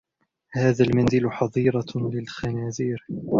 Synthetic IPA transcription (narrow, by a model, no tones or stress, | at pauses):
haːðalmanzɪlħɑðˤiːɾɑlɪlxanaːziːɾ